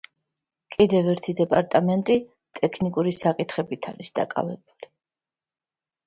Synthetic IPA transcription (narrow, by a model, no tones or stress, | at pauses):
kʼid̪ɛvɛɾt̪ʰid̪ɛpʼaɾt̪ʼamɛnt̪ʼi | t̪ʼɛkʰnikʼuɾisakʼit̪ʰχɛbit̪ʰaɾisd̪̥a̰kʼa̰vɛbuli